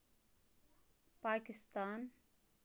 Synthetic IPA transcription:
paːkɪst̪aːn

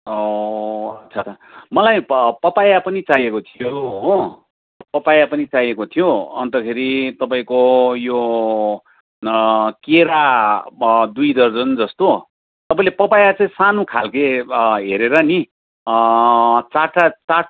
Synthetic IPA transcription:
o | ʌt̪sʰat͡sʰa | mʌlajpʌpajapʌnit͡sajekot̪ʰijo | pʌpajapʌnit͡sajekot̪ʰijoʌnt̪ʌkʰeɾit̪ʌpaĩkojo | keɾa | d̪ujd̪ʌrd͡zʌnd͡zʌst̪o | t̪ʌpaĩlepʌpajat͡sʌĩsanokʰa̰lkeɦeɾeɾʌni | t͡saʈat͡sa

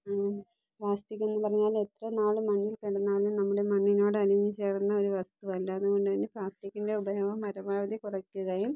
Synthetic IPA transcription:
plaːstikːe̞nːɨpɐrɐɲːaːle̞t̪rɐnaːɭɨmɐnːilkiɽɐnːaːlumnɐmːuɽe̞mɐnːino̞ːɽɨɐɾiɲːit͡ɕe̞ːrnːɐo̞ɾuʋɐst̪uʋɐlːɐɐðuɣo̞ɳɖɨðɐnːeplaːstikʲːinde̞ubɐjɐmɐmːɐɾɐbaːʋɐd̪ikurɐkːuɣɐjum

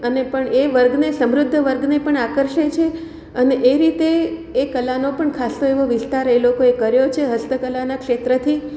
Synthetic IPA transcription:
ənepəɳeʋəɾɡnesəmɾʊd̪ʱːəʋəɾɡnepəɳakəɾʃet͡ʃʰe | əneʔeɾit̪eːkəlːanopəɳkʰast̪oeʋoʋɪst̪aɾelokoekəɾjot͡ʃʰeɦəst̪əkəlanakʃet̪ɾət̪ʰi

